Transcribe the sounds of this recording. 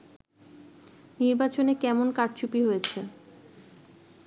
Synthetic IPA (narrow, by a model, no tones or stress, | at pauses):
niɾbat͡ɕonekɛmonkaʈt͡ɕupiɦojet͡ɕʰe